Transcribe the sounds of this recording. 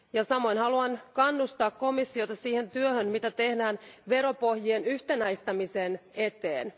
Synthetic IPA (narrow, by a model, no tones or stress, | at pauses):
jɑsɑmo̞jnhɑluɑnkɑnːust̪ɑːkko̞misːio̞t̪ɑsiːhe̞nt̪yøhønmit̪æt̪e̞hdæːnʋe̞ɾo̞po̞hjienyht̪e̞næjst̪ɑmisene̞t̪e̞̰ːn